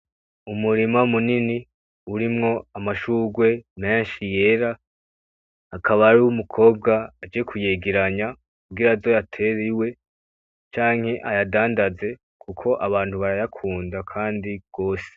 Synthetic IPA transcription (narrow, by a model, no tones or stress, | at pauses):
umuɾimamunini | uɾimŋo̞amaʃuːɡwe̞me̞ːnʃije̞ːɾa | kʰaβaɾuwumukʰo̞ːb̚ɡaːd͡ʒijekʰuje̞ːɡeɾaɲa | kubɡiɾazo̞jatʰe̞ɾiwe̞ | t͡ʃaːŋ̥he̞ʔajadaːndaze̞ | kʰukʰo̞ʔaβaːnthuβaɾajakʰuːndakʰaːndiɡ̥o̞ːse̥